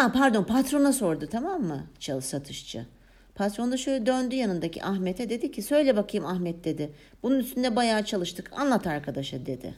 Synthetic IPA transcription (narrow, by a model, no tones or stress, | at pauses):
apaɾd̪o̞npʰat̪ɾo̞naso̞ɾd̪ʊt̪ʰamamːɯt͡ʃʰalˠɯsat̪ʰɯʃt͡ʃʰɯ̰ | pʰat̪ɾo̞nd̪aʃøjlʲɛd̪ønd̪yjanɯnd̪acʰḭʔaxmet̪ʰɛd̪e̞d̪icʰisø̞jlʲɛbakʰɯjɯmaxmɛt̪̚d̪e̞d̪ɪ | b̥ununyst̪ʰynd̪ɛbajaːt͡ʃʰalˠɯʃt̪ʰɯkʰa̰nlˠat̪ʰaɾkʰad̪aʃɯd̪e̞d̪ɪ̰